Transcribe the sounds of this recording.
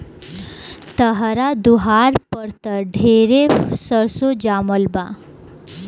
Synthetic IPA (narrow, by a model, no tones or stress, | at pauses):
t̪əɦɾad̪uɦaɾpəɾt̪əɖʱeɾesəɾsod͡ʑaməlbã